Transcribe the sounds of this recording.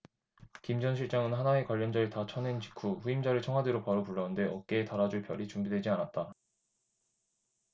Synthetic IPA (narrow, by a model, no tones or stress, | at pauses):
kimd͡ʑʌnɕʰiɭt͡ɕ͈aŋɯnɦanae̞kwaʎːʌnd͡ʑaeɭtat͡ɕʰʌnent͡ɕi̥kʰuɸuimd͡ʑaɾɯɭt͡ɕʰʌŋɦwadeɾopaɾopuɭːʌɯnde̞ʌk͈e̞ːtaɾad͡ʑuɭpjʌɾit͡ɕumbidwe̞d͡ʑianat̚t͈a